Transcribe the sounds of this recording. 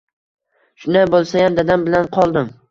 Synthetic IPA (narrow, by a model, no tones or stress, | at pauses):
ʃʊnabolˠsajamd̪ad̪ambɪlanqʰɒlˠd̪ɪm